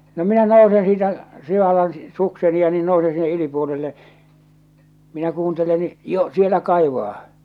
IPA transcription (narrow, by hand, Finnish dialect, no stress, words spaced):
no minæ nousen siːtæ siʋɑlːɑn sukseni jɑ niːn nousen sinːe ylipuolilːe minæ kuːntelen ni jo sielæ kɑiʋɑː